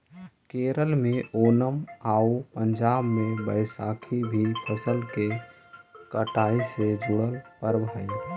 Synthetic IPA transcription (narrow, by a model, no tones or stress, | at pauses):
keɾəlmeʔonəmaupəɲd͡ʒabmebəɪsakʰibʱipʰəsəlke | kəʈaised͡ʒuɽəlpəɾbʱaɪl